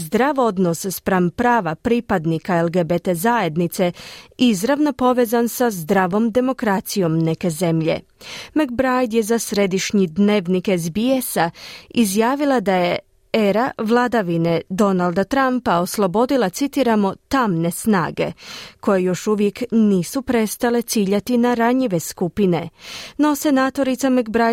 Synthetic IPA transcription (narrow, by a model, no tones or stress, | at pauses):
zd̪ɾaʋo̞d̪no̞sspɾampɾaːʋapɾipad̪nikaelˠɡebet̪ezaje̞d̪nit̪se̞izɾaʋno̞po̞ʋe̞ːzansazd̪ɾaːʋo̞md̪e̞mo̞kɾat̪sijo̞mne̞ke̞ze̞mʎe̞̰ | mak̚bɾajd̪jezasɾe̞d̪iʃɲid̪ne̞ːʋnikezbiesaizjaːʋilˠad̪aje | eɾaʋlˠaːd̪aʋine̞d̪o̞nalˠd̪at̪ɾampao̞slˠo̞bo̞d̪ilˠat̪sit̪iɾamo̞t̪amne̞sna̰ːɡe̞̰ko̞jejo̞ʃuʋjekniːsupɾe̞st̪ale̞t̪siːʎat̪inaɾaɲiʋe̞skupineno̞se̞naːt̪o̞ɾit̪samakbɾaj